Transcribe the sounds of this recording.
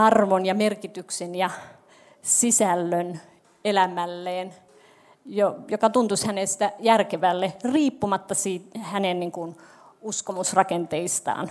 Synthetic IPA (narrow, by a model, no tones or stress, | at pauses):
ɑrʋonjɑmerkit̪yksenjɑ | sisælːøn | elæmælːeːn | jojokɑt̪unt̪ushænest̪æjærkeʋælːeriːpːumɑt̪ːɑsiːthænenniŋkun | uskomusrɑkent̪eist̪ɑ̰ːn